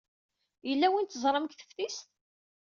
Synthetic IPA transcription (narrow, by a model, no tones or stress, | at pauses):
jəlːæwint̪ːəzˤɾˤəmkθə̥fθist̪